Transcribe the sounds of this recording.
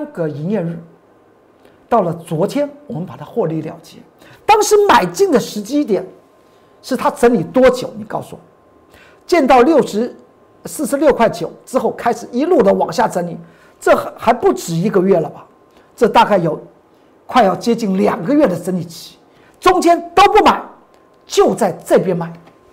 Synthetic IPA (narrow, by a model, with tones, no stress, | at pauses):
nɡə˧˨i˧˥njɛ˥˧ɻɻ̩˥˩ | t̪ɑ˥˩ʊlə˩t͡swɔ˧˥t̪ʰjɛ˥nwɔ˨˩mə˧˦npa˨˩t̪ʰa˥xwɔ˥˧li˧˩ljɑ̰˨˩ʊt͡ɕjɛ̰˧˥˦ | t̪ɑ˥ŋʂɻ̩˧˥ma˨˩ɪt͡ɕi˥˩ŋd̪ə˩ʂɻ̩˧˥t͡ɕi˥t̪jɛ˨˩˦n | ʂɻ̩˥˩t̪ʰa˥t͡sə˧˥nli˨˩t̪wɔ˥t͡ɕjo˨˧˦ʊni˨˩kɑ˥˩ʊsu˨˩wɔ˨˩ | t͡ɕjɛ˥˧nt̪ɑ˥˧ʊljo˥˩ʊʂɻ̩˧˥ | sɹ̩˥˩ʂɻ̩˧˥ljo˥˧ʊkʰwa˥˩ɪt͡ɕjo˨˦ʊʈ͡ʂɻ̩˥xo˥˩ʊkʰa˥ɪʂɻ̩˨˩i˧˥lu˥˩d̪ə˨wɑ˨˩ŋɕja˥˩ʈ͡ʂə˧˥nli˨˩ | ʈ͡ʂɤ˥˩xa˧˥ɪpu˥˩ʈ͡ʂɻ̩˨˩i˧˥ɡə˧ɥɛ˥˩lə˩bɐ˨ | ʈ͡ʂɤ˥˧t̪a˥˧ka˥˩ɪjo˨˧˩ʊ | kʰwa˥˧ɪjɑ˥˩ʊt͡ɕjɛ˥t͡ɕi˥˩nljɑ˨˩ŋɡə˧˦ɥɛ˥˩d̪ə˩t͡sə˧˥nli˨˩t͡ɕʰi̥˧˥ | ʈ͡ʂʊ˥ŋt͡ɕjɛ˥nt̪o˥ʊpu˥˩ma˨˩˦ɪ | t͡ɕjo˥˧ʊt͡sa˥˩ɪt͡sa˥˩ɪpjɛ˥nma˨˩ɪ